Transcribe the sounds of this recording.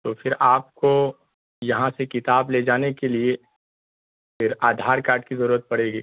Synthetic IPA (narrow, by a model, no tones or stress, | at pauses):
t̪oːfʰɪɾaːp̚ko | jɐɦãsekɪt̪aːbled͡ʒaːnekelie | fɪɾaːd̪ʱaːɾkaːɾʈ̚kizɐɾuːɾət̪̚pɐɽ̤eːɡiː